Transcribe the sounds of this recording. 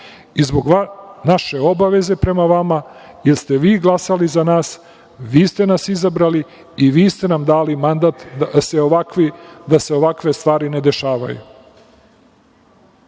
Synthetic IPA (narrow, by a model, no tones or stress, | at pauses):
izboɡʋanaʃe̞o̞baʋe̞ze̞pɾe̞maʋamajelst̪e̞ʋiːɡlˠasalizanaːs | ʋiːst̪e̞nasizabɾaliː | ʋiːst̪e̞namd̪aːlimand̪at̪seoʋakʋid̪ase̞o̞ʋakʋe̞st̪ʋaːɾine̞d̪e̞ʃaːʋa̰jṵ